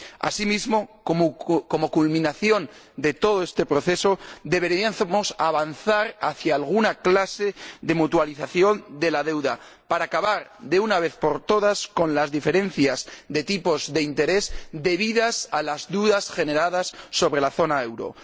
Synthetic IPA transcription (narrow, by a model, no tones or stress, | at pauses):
a̰simizmo̞ | ko̞mo̞kulmĩnaθjo̞n | d̪e̞t̪oð̞oe̞st̪e̞pɾo̞θe̞so̞d̪e̞βe̞ɾmosaβanθaɾaθjaːlɣ̞unaklase̞ðe̞mut̪waliθaθjo̞nd̪e̞laðe̞wða | paɾaːkaβaɾðe̞unaβe̞θpo̞ɾt̪o̞ðasko̞nlazðife̞ɾe̞n̟θjazðe̞t̪ipo̞zðe̞int̪e̞ɾe̞zd̪e̞β̞iðasalazðuðasxe̞ne̞ɾaðasːo̞βɾe̞laθo̞nae̞wɾo̞̰